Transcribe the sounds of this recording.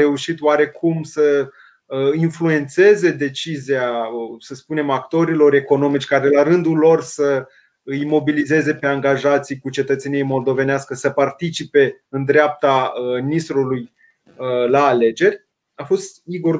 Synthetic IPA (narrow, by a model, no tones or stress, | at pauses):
e̞uʃit̪oaɾe̞kʰumsə | influe̞nt̪se̞ze̞d̪e̞t͡ʃiziasəspune̞makt̪o̞ɾilo̞re̞ko̞no̞mit͡ʃʲkaɾelaɾɨnd̪ulo̞rsə | ɨjmo̞bilize̞ze̞pe̞aŋɡaʒat̪sijkut͡ʃe̞t̪ət̪senijemo̞ld̪o̞ve̞neaskəsəpart̪it͡ʃipe̞ɨnd̪ɾʲeap̚t̪aminist̪ɾuluj | əlaːle̞d͡ʒe̞rʲ | afo̞st̪iɡo̞r